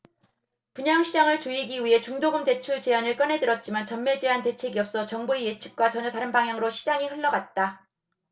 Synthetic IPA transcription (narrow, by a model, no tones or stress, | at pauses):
puɲaŋɕʰid͡ʑaŋɯɭt͡ɕoiɡiɥiɦe̞t͡ɕuŋdoɡɯmde̞t͡ɕʰuɭt͡ɕe̞anɯɭk͈ʌnɦe̞dɯɾʌt̚t͡ɕ͈imant͡ɕʌnme̞d͡ʑeɦante̞t͡ɕʰe̞ɡiʌp̚s͈ʌt͡ɕʌŋboije̞t͡ɕʰi̥k̚k͈wat͡ɕʌɲʌtaɾɯnbaŋɦjaŋɯɾoɕʰid͡ʑaŋiɸɯɭːʌɡat̚t͈a